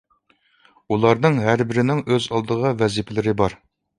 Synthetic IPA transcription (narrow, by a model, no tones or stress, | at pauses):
ulˠɑɾnɨŋɦæɾbɪɾɪnɪŋøzɑlˠd̪əʁɑvɛzipʰɪlɪɾɪbɑɾ